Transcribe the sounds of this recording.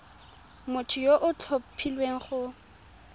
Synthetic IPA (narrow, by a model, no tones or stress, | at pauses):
mʊtʰʊjoʔʊt͡ɬʰopʰilweŋ̩χʊ